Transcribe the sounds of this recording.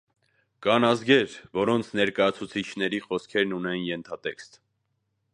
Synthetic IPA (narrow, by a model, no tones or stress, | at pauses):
kɑnɑzɡɛɾvɔɾɔnt͡sʰnɛɾkɑjɑt͡sʰut͡sʰit͡ʃʰnɛɾiχɔskʰɛɾnunɛnjɛnt̪ʰɑt̪ɛkst̪